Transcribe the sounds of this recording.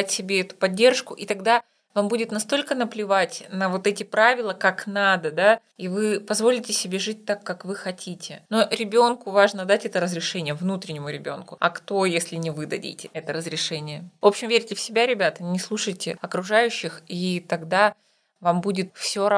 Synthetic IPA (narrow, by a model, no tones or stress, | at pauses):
tʲsʲɪbʲeɛt̪ʊ̥pɐdʲːe̞rʂkʊʔit̪ɐɡd̪a | vambudʲɪt̪nɐst̪o̞lʲkən̪əplʲɪvatʲnəvo̞t̪ɛtʲɪpɾavʲɪlˠəkaknad̪əd̪a | ivɨpɐzvo̞lʲɪtʲɪsʲɪbʲe̞ʐɨt̚ʲt̪akːakvɨxɐtʲʰitʲɪnoɾʲɪbʲo̞nkʊvaʐnəd̪atʲɛt̪əɾəzɾʲɪʂɛnʲɪjəvnut̪ɾʲɪnʲɪmʊɾʲɪbʲo̞nkʊɐ̰kt̪o̞jesʲlʲɪnʲɪvɨd̪ɐdʲḭtʲɪɛt̪əɾəzɾʲɪʂɛnʲɪjəvo̞pɕɪmvʲeɾʲtʲɪfsʲɪbʲaɾʲɪbʲat̪ənʲɪslˠuʂəjtʲɪ̰ɐkɾʊʐajʉɕːɪxit̪ɐɡd̪a | vambudʲɪt̪fsʲoɐ